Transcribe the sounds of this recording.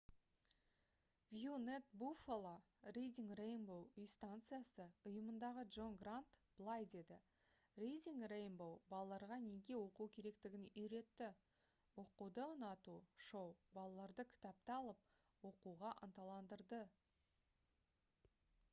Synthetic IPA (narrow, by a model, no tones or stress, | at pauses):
vjunet̪̚bufolˠa | rejd̪ʲiŋɡrejnbowʏjst̪ant̪sɨjasəʊjəmənd̪ɑʁədʒo̞nɡrant̪b̥lˠɑjd̪e̞d̪ɪ | rʲejd̪ʲiŋɡrejnbowbɑlˠɑlˠɑɾʁɑne̞ɡʲe̞wo̞qukʲʰe̞ɾe̞kt̪ɪɡʲɪnʏjɾe̞t̪ːɪ | wo̞qud̪əənɑt̪uʃo̞wbɑlˠɑlˠɑɾd̪əkʲʰɪ̥t̪ap̚t̪ɑɑlˠəp̚ | wo̞quʁɑʔə̰nt̪ɑlˠɑnd̪əɾd̪ə